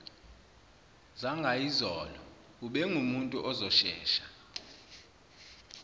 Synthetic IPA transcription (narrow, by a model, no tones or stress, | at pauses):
zaŋɡʱaizɔːlɔ | uɓɛŋumuntʼuʔɔzɔʃɛ̰ːʃḁ